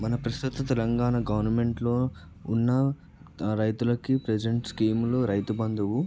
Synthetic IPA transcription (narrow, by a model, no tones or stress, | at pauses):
mɐnɐpɾɐst̪ut̪ɐt̪ɛlɐŋɡaːnɐɡɐʋɐɾnɐme̞ɳʈloː | unːɐ | ɾɐjt̪ulɐkipɾed͡ʒeɳʈskiːmloːɾɐjt̪ubɐnd̪ɐʋu